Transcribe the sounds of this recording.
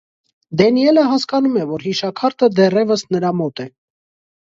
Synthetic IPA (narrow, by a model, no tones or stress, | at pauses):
d̪ɛniɛləɦɑskɑnumɛvɔɾɦiʃɑkʰɑɾt̪əd̪ɛrɛvəsnəɾɑmɔt̪ɛ